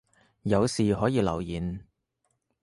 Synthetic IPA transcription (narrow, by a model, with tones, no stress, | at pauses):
jɐ˨˧wsiː˨ɦɔː˨˥jiː˨˧lɐ˨˩wjiː˨n